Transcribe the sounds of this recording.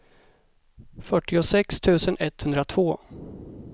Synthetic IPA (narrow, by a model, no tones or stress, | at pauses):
fœʈːɪʊsɛkst̪ʰʉ̟ːsənɛt̪ːhɵnd̪ɾat̪ʰv̥oː